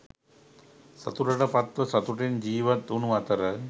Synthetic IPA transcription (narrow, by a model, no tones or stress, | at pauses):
sɐ̰t̪uʈɐɽɐpɐt̪ʋɐsɐt̪uʈind͡ʒiːʋɐt̪ːunuʋɐt̪ɐɾɐ